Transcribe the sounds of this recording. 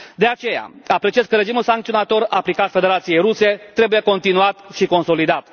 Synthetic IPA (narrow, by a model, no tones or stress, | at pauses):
d̪e̞at͡ʃe̞ja̰apɾe̞t͡ʃieskəɾe̞d͡ʒimulsaŋkt̪sio̞nat̪o̞raplikat̪fe̞d̪eɾat̪sije̞jɾuse̞t̪ɾe̞buje̞ko̞nt̪inuat̪ʃiko̞nso̞lid̪at̪